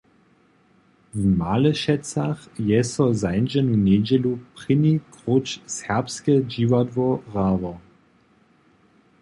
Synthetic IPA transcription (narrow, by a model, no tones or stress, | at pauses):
vmaləʃɛt͡saχjɛsɔzaɪnʒɛnuneːd͡ʒɛlupʁɪnikʁot͡ʃsɛɐpskəd͡ʒiːvadvɔʁaːvɔ